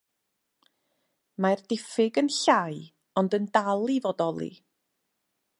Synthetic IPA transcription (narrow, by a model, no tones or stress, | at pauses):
mard̥ɪfɪɡənɬaj | ɔndəndalˠivɔdɔlˠḭ